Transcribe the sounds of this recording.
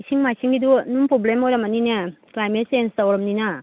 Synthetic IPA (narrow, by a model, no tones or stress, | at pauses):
isʰiŋmajsiŋɡidunuŋpɾoblemojɾɐmɐninɐklajmet̚senstawɾɐmninɐ